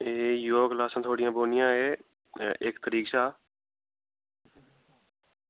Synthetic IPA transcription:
eːjoːɡlaːsãːt̪ʰoːɽɪjãːboːnɪjãːɦeː | ʔeːkt̪əɾiːkʃaː

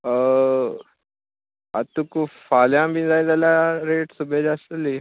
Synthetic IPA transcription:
ə | a̰t̪ukufaljãmbind͡zajd̪alaɾeʈsubʱed͡ʑasəli

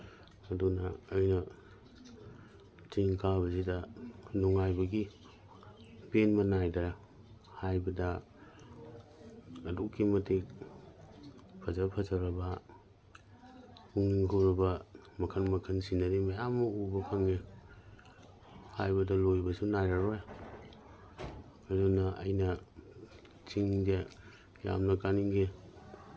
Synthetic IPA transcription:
ɐdunɐ̰ːjnɐ | tiŋkʰabɐzidɐnɔŋajbɐɡi | penmɐnajdɐ | hajbɐdɐ | ɐdukːimɐtʰek̚ | pʰɐzapʰɐzaɾɐbɐ | uŋniŋɦʰowɾɐbɐmɐkʰɐnmɐkʰɐnsinaɾimɐjamːɐubɐpʰaŋe | hajbɐdɐlojbɐsunaɾaɾoj | adonɐɐ̰jnɐ | t͡ʃiŋze | ja̰mnɐkaniŋɡe

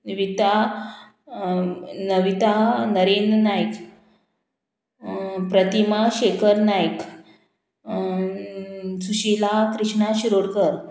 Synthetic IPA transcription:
ʋit̪a | nəʋit̪anəɾennajk | pɾət̪imaɕekʰəɾnajk | suɕilakɾiɕɳaɕiɾoɽkəɾ

